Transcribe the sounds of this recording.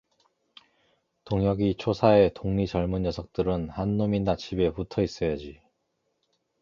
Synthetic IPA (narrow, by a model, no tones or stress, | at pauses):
toŋjʌɡit͡ɕʰosʰaetoŋɲit͡ɕʌɭmunɲjʌsʰʌk̚t͈ɯɾɯnhanːominːat͡ɕʰibe̞putʰʌis͈ʌjʌd͡ʑi